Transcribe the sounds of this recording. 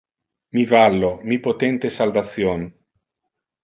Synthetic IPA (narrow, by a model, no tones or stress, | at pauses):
mivalːomipot̪ɛnt̪esalvat̪sːjon